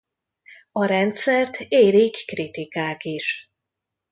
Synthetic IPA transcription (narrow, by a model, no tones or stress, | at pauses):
ɒɾɛnt̪sɛrt̪ʰeːɾikːrit̪ikaːkiʃ